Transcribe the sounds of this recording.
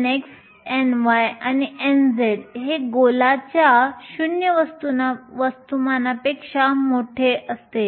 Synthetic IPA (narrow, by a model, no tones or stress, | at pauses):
neks | enʋajaniend͡zeɽɦeɡolat͡ɕjaɕunjəʋəst̪unaʋəst̪umanapekʂamoʈʰeʔəst̪e